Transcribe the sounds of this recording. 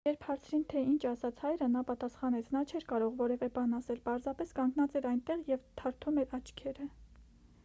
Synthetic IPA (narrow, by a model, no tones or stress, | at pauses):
jɛɾpʰhɑɾt͡sʰɾint̪ʰɛint͡ʃʰɑsɑt͡sʰhɑjɾənɑpɑt̪ɑsχɑnɛt͡sʰnɑt͡ʃʰɛɾkɑɾɔʁvɔɾɛvɛbɑnɑsɛlpɑɾzɑpɛskɑŋɡnɑt͡sɛɾɑjnt̪ɛʁjɛvt̪ʰɑɾt̪ʰumɛɾɑt͡ʃʰkʰɛɾə